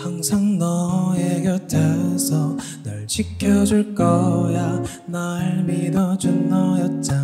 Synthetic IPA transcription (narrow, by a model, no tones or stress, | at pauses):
haŋsʰaŋnʌeɡjʌt͡ɕ͈ʰesʰʌ | nɯɭt͡ɕʰik͈ʰjʌd͡ʑuɭk͈ʌja | naɭmidʌd͡ʑunːʌjʌt̚t͡ɕ͈a